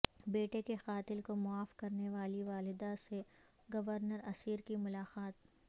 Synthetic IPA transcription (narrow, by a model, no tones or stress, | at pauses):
beːʈekexaːt̪ɪlkomʊaːfkɐɾneʋaːliʋaːlɪd̪ase | ɡɐʋəɾnəɾɐsiːɾkimʊlaːqaːt̪